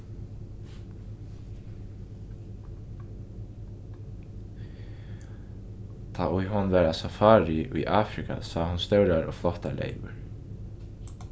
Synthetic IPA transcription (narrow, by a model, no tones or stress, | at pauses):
t̪ʰaːʔʊjɦɔnʋɛːɾasafaːɾɪʔʊjʔaːfɾikʰa̰saːhʊnst̪œwɾaɾɔːflɔht̪alḛɪʋʏɾ